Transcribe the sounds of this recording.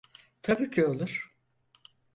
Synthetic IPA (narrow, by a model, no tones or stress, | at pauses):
t̪ʰabiːcʰio̞lˠuɾ̥